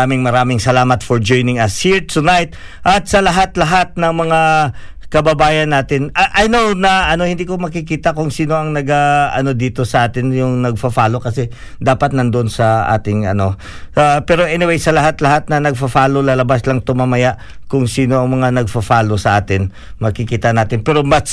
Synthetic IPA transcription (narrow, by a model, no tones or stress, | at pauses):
amɪŋmɐɾaːmɪŋsɐlaːmɐt̪fɔɹd͡ʒojnɪŋɐshiɹt̪ʰʊnajt̪̚ | ʔɐt̪̚sɐlɐɦat̪lɐɦat̪̚nɐŋmɐŋakɐbɐbaːjɐnːaːt̪ɪnɐʔɐjnownɐʔɐno̞hɪnd̪iːkomɐkɪkiːt̪ɐkʊŋsiːno̞ʔɐŋnɐɡaʔɐ̰no̞d̪iːt̪o̞sɐʔaːt̪ɪnjʊŋnɐɡ̚fɐfaːlo̞kɐsɛ | d̪aːpɐt̪̚nɐnd̪oʔonsɐʔa̰ːt̪ɪŋɐ̰no̞ | apɛːɾo̞ʔɛnɪwejsɐlɐɦat̪lɐɦat̪̚nɐnɐɡ̚fɐfaːlolɐlɐbaslɐŋt̪ʊmamɐjaʔ | kʊŋsiːno̞ɐŋmɐŋanɐɡ̚fɐfaːlo̞sɐʔaːt̪ɪn | mɐkɪkiːt̪ɐnaːt̪ɪnpɛːɾo̞mɐs